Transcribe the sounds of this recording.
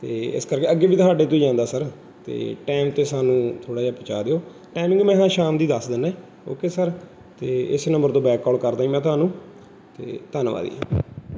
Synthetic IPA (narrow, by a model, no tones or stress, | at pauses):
t̪ḛːɪ̰skəɾkeːəɡːeːʋiːt̪ʊaːɖeːt̪ʊiːd͡ʒãːnd̪aːsəɾ | t̪ḛːʈɛːmt̪eːsaːnũːt̪ʰoːɽaːd͡ʒaːpət͡ʃa̰ːd̪eːoː | ʈaːmɪ̃ŋɡmɛ̃ːɦãːʃaːmd̪iːd̪əsd̪ɪnɛ̃ː | o̰ːkeːsəɾ | t̪eːɪsnə̃mbəɾt̪õːbɛːkːɔːlkəɾd̪aːĩːmɛ̃ːt̪ʊaːnũː | t̪ḛːt̪ənʋa̰ːd̪ḭːã̰ː